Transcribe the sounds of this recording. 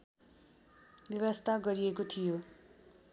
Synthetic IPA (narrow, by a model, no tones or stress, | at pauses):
bjʌβʌst̪ʰaɡʌɾiekot̪ʰijo